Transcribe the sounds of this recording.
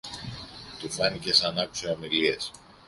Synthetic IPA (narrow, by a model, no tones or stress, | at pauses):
t̪ufɐnice̞sɐnɐksiomilies